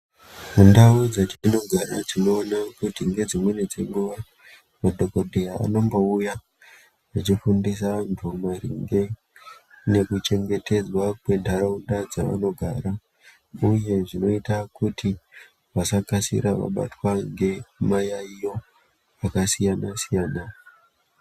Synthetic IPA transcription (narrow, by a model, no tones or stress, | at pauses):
mundaud͡zat͡ʃiino̞ɡʱaɾad͡zino̞ːnakutiŋɡe̞d͡zimwe̞ne̞d͡ze̞ŋɡuʋa | madʱo̞ko̞dʱeaa̰no̞mbo̞uja | ʐit͡ʃifundisantʰumaɾḭŋɡe̞ | ne̞kut͡ʃe̞ŋɡe̞te̞d͡zwakwe̞ntʰaɾaundad͡za̰ʋa̰no̞ɡʱaːɾa | uje̞ʐino̞itakuti | ʋasakasḭɾaʋa̰ɓa̰twaŋɡe̞majaijo̞ | akasijanasijaːna